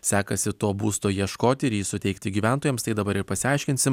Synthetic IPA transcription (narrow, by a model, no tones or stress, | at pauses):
sʲæːkɐsʲɪt̪oːbuːst̪oːjiɛʃkoːt̪ʲɪɪɾjiːsʊt̪ʲɛɪkt̪ʲɪɡʲiːʋʲæˑnt̪oːjɛmst̪ɐɪd̪ɐbɐɾɪɾpɐsʲɪɐˑɪʃʲkʲɪnt̪ʲsʲɪm